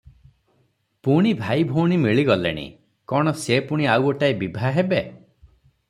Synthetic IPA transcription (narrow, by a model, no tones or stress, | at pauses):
puɽ̃ibʱajbʱoɽ̃imiɭiɡɔlḛɽ̃ḭ | kɔɽ̃ɔsepuɽ̃iawɔʈaibibʱaɦebe